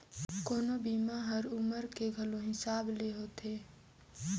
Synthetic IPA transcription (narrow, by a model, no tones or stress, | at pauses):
koːnobiːmaɦɐɾʊməɾkeɡʱɐlõɦɪsaːbleɦoːt̪eː